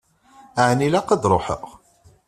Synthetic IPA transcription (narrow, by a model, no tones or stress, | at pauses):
aʕnilæqəd̪ɾˤoħə̰ʁ